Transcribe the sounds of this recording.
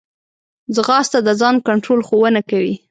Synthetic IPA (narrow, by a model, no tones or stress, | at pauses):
zəɣɑst̪ad̪əzɑnkaɳʈɾolxowənakawi